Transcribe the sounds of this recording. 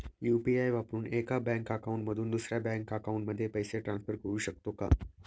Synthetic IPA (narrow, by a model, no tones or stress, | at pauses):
jupiajʋapɾuːnekabɛ̃ŋkakaũɳʈməd̪ʱuːnd̪usɾjabɛ̃ŋkːakaũɳʈməd̪ʱːjepəjseʈɾãnsfəɾkəɾuːɕək̚t̪oka̰